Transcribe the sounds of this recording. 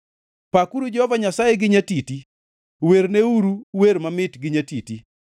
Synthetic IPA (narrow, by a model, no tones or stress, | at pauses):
pakuɾud͡ʒɔhɔvaɲasajeɡɪɲatiti | weɾneuɾuweɾmamɪtɡɪɲatiti